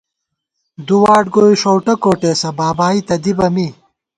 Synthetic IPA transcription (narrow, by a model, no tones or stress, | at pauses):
d̪uwaːʈ̚ɡoːiʂowʈɐkoːʈeːsɐbaːbaːit̪ɐd̪ibɐmi